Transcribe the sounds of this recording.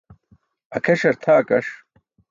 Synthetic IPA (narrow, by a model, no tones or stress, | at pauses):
ɐkʰɐʂɐɾt̪ʰaːkʼɐʂ